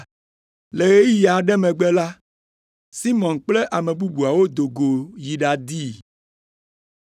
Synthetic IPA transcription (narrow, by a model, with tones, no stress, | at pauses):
le˨ɣe˦ja˨ɖɛ˦mɛ̃˨ɡ͡bɛ˦la˦ | si˦mɔ̃˨nk͡plɛ˦ʔa˨me˨bu˦bu˨a˨wo˦d̪o˨ɡo˨ji˨ɖa˨d̪i˦